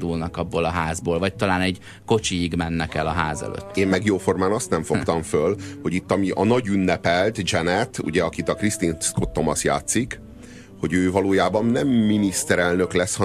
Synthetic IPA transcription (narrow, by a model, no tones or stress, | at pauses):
d̪ulnɒkɒbːoːlɒɦaːzboːlvɒc̚t̪ɒlaːnɛɟ | ko̞t͡ʃiːɡmɛnːɛkɛlɒɦaːzɛ̰lø̰ːt̪ːeːmmɛɡjoːfo̞rmaːnɒst̪nɛɱfo̞kt̪ɒɱfølho̞ɟit̪ːɒmiʔɒnɒɟynːɛpɛlt̪d͡ʒɛnɛt̪ṵɟɛɒkit̪ɒkrist̪iːnskot̪ːo̞mɒsja̰ːt̪sik | ho̞ɟøːvɒloːjaːbɒnnɛmːinist̪ɛɾɛlnø̞klɛshɒ